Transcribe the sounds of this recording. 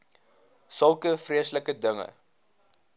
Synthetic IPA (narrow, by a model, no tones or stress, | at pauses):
səlˠkəfriəsləkədəŋə̰